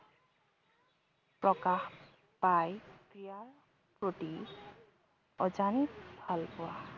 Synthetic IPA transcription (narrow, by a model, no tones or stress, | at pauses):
pɹɔkax | pajkijaɹ | pɹoʈi | ɔd͡ʒanikbʱalpʊwa